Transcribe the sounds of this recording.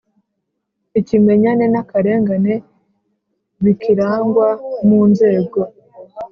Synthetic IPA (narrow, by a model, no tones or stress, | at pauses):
icime̞ɲane̞nakaɾe̞ːŋɡane̞ | βikiɾaːŋɡwamuːnze̞ːɡo̞